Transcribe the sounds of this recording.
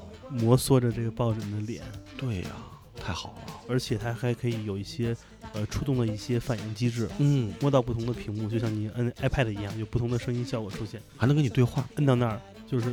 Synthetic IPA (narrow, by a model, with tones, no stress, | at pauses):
mwɔ˧˥swɔ˥˩ʈ͡ʂə˩ʈ͡ʂɤ˥˩ɡə˩pɑ˥˩ʊʈ͡ʂə˨˩md̪ə˦˧ljɛ̰˨˩˦nt̪we˥˩ɪɐ̰˩ | t̪ʰa˥˩ɪxɑ˨˩˦ʊlɐ̰˦ə˞˧˥t͡ɕʰjɛ˨˩t̪ʰa˥xa˧˥ɪkʰɤ˧˥i˧˥jo˨˩ʊi˥˩ɕjɛ˥ | ə˧ʈ͡ʂʰu˥t̪ʊ˥˩ŋd̪ə˩i˥˩ɕjɛ˥fa˨˩nji˥˩ŋt͡ɕi˥ʈ͡ʂɻ̩˥˩n̩˥˩mwɔ˥˧t̪ɑ˥˧ʊp̬u˥˩ʊ˧˥ŋd̪ə˧pʰi˧˥ŋmu˥˧t͡ɕjo˧ɕjɑ˥ŋni˨˩˦ʔə˥na˥ɪpʰa˥˩ɪd̪ə˩i˧˥jɑ˥˩ŋjo˨ʊpu˥˩ʊ˧˥ŋd̪ə˧ʂɤ˥ŋi˥nɕjɑ˥˩ʊkwɔ˨˩ʈ͡ʂʰu˥ɕjɛ˥˩nxa˧˥n˧˥ŋkni˨˩twxwa˥˩ə˥nɑ˥˧na˥˩ | t͡ɕjo˥˧ʊʂɻ̩˥˩